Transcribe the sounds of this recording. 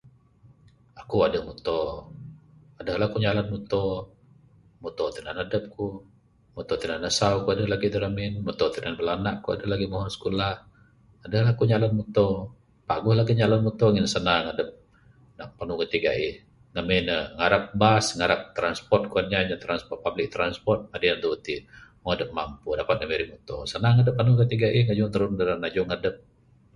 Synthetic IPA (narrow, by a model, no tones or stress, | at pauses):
akuadəmut̪ɔ | adəhlahkuɲalanmut̪ɔ | mut̪ɔt̪ənanadəp̚ku | mut̪ɔt̪ənanəsaukuadəhlaɡid̪əɾamɪnmut̪ɔt̪ənanbəlanaʔkua̰dəlaɡimɔɦɔnsə̥kulah | adəhlahkuɲalanmut̪ɔ | paɡʊhlaɡiɲalɔnmut̪oŋɪnsənaŋadəp̚ | naʔpanukət̪iɡa̰ʔih | ŋəmenəŋaɾap̚basŋaɾap̚t̪ɾanspɔrt̪̚kuanɲaɲat̪ɾanspɔr̚pablɪk̚t̪ɾanspɔrt̪̚adəjant̪uut̪imoŋadəp̚mampudapat̪̚ŋəmiɾimut̪o̰sənaŋadəp̚ːanukət̪iɡaʔihŋad͡ʒʊŋt̪əɾʊndəɾanad͡ʒʊŋadəp̚